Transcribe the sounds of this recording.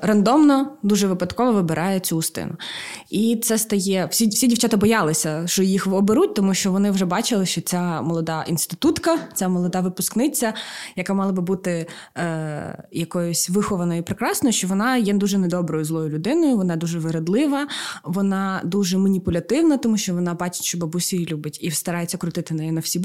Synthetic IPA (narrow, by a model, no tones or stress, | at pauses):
rɐnd̪ɔmnɔd̪uʒɛʋɪpɐd̪kɔʋɔʋɪbeɾʔɑjɛt͡sʲuːst̪ɪ̰nʊit̪sɛst̪ɐjɛwsʲisʲidʲiwt͡ʃʲɑt̪ɐbɔjɑlˠɪsʲɐʃt͡ʃɔjixɔbeɾut̚ʲt̪ɔmuʃt͡ʃɔʋɔnɪʊʐɛbɑt͡ʃɪlˠɪʃt͡ʃɔt͡sʲamɔlˠɔd̪ɑʔinst̪ɪt̪ut̪kɐt͡sʲamɔlˠɔd̪ɑʋɪpʊsknɪt͡sʲːɐjɐkɑmɑlˠɐbɨbut̪ɪ | jɐkɔjʊsʲʋɪxɔʋɐnɔjʊpɾɪkɾɑsnɔjʊʃt͡ʃɔʋɔnɑjɛd̪uʒɛnɛd̪ɔbɾɔjʊzlˠɔjʊlʲʊd̪ɪnɔjʊʋɔnɑd̪uʒɛʋɪɾed̪lˠɪʋɐʋɔnɑd̪uʒɛmɐnʲipʊlʲɐt̪ɪwnɐt̪ɔmuʃt͡ʃɔʋɔnɑbɑt͡ʃɪ̥tʲʃt͡ʃɔbɐbusʲijilʲubɪtʲist̪ɐɾɑjt͡sʲːɐkɾʊt̪ɪt̪ɪnɛjinɐwsʲib